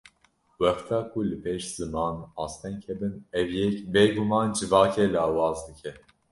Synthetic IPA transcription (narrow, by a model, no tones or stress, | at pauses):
wɛxt̪ʰɑːkʰulɨpʰeːʃz̥ɨmɑːnɑːst̪ʰɛŋkʰɛbɨnɛvjɛkbeːɡumɑːnd͡ʒɨvɑːkʰɛlɑːwɑːzd̪ɨkʰɛ